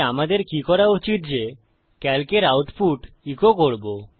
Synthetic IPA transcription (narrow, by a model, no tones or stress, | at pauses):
amad̪eɾkikɔɾaut͡ɕit̪d͡ʑe | kɛlkeɾawʈpuʈ | ikokoɾbo